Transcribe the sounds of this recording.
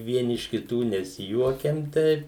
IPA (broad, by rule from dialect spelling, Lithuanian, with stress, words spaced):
ˈʋʲiɛnʲɪ ɪʃ kʲɪˈtuː nʲɛsʲɪˈjuɔkʲɛm ˈtʲɛɪp